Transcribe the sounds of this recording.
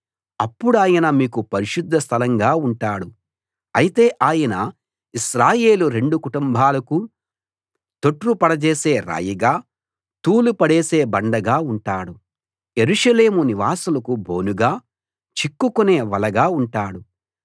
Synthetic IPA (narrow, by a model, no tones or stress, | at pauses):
ɐpːuɽuaːjɐnɐmiːkupɐɾiʃud̪ʱːɐst̪ʰɐlɐŋɡaːuɳʈaːɽu | ɐjit̪e̞ːʔaːjɐnɐ | iʃɾaːje̞ːluɾe̞ɳɖukuʈumbʱaːlɐku | t̪o̞ʈɾupɐɽɐt͡ʃeːse̞ːɾa̰ːjiɡaː | t̪uːlupɐɽeːseːbɐɳɖɐɡaːuɳʈaːɽu | e̞ɾuʂɐle̞ːmuniʋaːsulɐkubʱo̞ːnuɡaː | t͡ʃikːukuneːʋɐlɐɡaːuɳʈaːɽu